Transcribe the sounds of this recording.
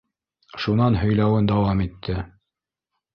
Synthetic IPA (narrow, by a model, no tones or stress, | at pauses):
ʃunɑnɦɵ̆jlæwɘnd̪ɑwɑmit̪ʰːɘ